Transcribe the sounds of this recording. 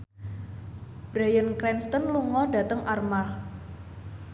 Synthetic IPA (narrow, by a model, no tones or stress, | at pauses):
b̥ɾajənkɾɛnst̪ənluŋɔɖä̤t̪əŋʔarmarh